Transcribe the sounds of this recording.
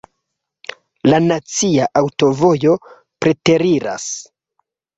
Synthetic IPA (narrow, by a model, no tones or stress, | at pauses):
lanat͡siaʔawto̞vo̞jo̞ | pɾe̞te̞ɾiɾa̰s